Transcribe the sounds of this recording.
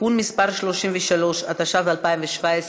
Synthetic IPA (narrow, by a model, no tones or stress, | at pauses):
unmispaʁʃloʃimvɛʃalo̞ʃat̪aʃavalpaimveʃvaes